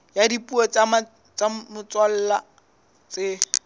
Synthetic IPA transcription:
jadipuet͡sama | t͡samʊt͡swal̩ːla | t͡sʼɪ

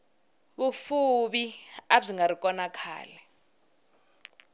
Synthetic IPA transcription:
ɓufuɓiaziŋɡaɾikʼɔnakʰa̰ːlɛ

